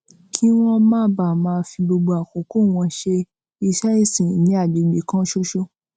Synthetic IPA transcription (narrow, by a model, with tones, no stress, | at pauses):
kʰi˦w̃ɔ̃˦mãː˦ba˦˨mãː˦˧˦fi˧ɡ͡bo˧ɡ͡bo˧a˨ko˨˦ko˦˨w̃ɔ̃˧ʃe˧ | i˧sa˦i˦˨sĩ˨nĩ˨˦a˦˨de˨ɡ͡be˨˦kã˦ʃo˦ʃo˧